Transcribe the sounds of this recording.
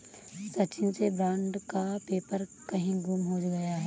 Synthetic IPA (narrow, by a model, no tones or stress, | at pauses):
sɐt͡ʃɪnsebɾãːɳɖkapeːpəɾkɐɦĩɡumɦod͡ʒɡɐjaɦɛː